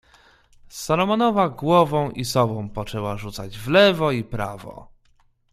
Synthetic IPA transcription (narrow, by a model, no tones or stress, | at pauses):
salɔmɔnɔvaɡwɔvɔ̃w̃ʔisɔbɔ̃w̃pɔt͡ʂɛwaʐut̪sad͡ʑvlɛvɔipɾa̰vɔ̰